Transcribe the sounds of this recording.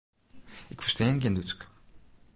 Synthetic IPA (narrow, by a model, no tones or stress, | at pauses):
ɪkfəɹstɛːənkend̪utk